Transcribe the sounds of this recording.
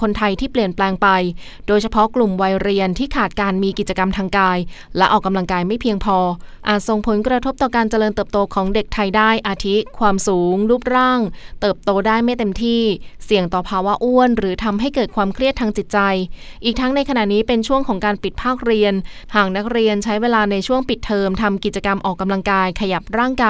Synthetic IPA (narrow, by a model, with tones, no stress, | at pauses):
kʰo˧nt̪ʰa˧jt̪ʰiː˥˩pli˨˩ənplɛː˧ŋpa˧j | doː˧jt͡ɕʰa˧pʰɔ˦˥klu˨˩mwa˧jɾi˧ənt̪ʰiː˥˩kʰaː˨˩t̪̚kaː˧nmiː˧ki˨˩t͡ɕa˧ka˧mt̪ʰaː˧ŋkaː˧jlɛ˦˥ʔɔː˨˩k̚ːa˧mla˧ŋkaː˧jma˥˩jpʰi˧əŋpʰɔː˧ʔaː˨˩t̪̚so˨˩ŋpʰo˩˦nkɾa˧t̪ʰo˦˥p̚t̪ɔː˨˩kaː˧nt͡ɕa˧lɤː˧nt̪ɤː˨˩p̚t̪oː˧kʰɔː˩˦ŋde˨˩k̚t̪ʰa˧jdaː˥˩jʔaː˧t̪ʰi˦˥kʰwaː˧msuː˩˦ŋluː˥˩p̚ɾaː˥˩ŋt̪ɤː˨˩p̚t̪oː˧daː˥˩jma˥˩jt̪e˧mt̪ʰiː˥˩si˨˩əŋt̪ɔː˨˩pʰaː˧wa˦˥ʔu˥˩ənɾɯː˩˦t̪ʰa˧mɦa˥˩jkɤː˨˩t̪̚kʰwaː˧mkʰɾi˥˩ət̪ʰaː˧ŋt͡ɕi˨˩t̪̚t͡ɕa˧jʔiː˨˩k̚t̪ʰa˦˥ŋna˧jkʰa˧na˨˩ʔniː˦˥pe˧nt͡ɕʰu˥˩əŋkʰɔː˩˦ŋkaː˧npi˨˩t̪̚pʰaː˥˩k̚ɾi˧ən | haː˨˩k̚na˦˥k̚ɾi˧ənt͡ɕʰa˦˥jweː˧laː˧na˧jt͡ɕʰu˥˩əŋpi˨˩t̪ʰːɤː˧mt̪ʰa˧mki˨˩t͡ɕa˧ka˧mʔɔː˨˩kːa˧mla˧ŋkaː˧jkʰa˧ja˨˩p̚ɾaː˥˩ŋkaː˧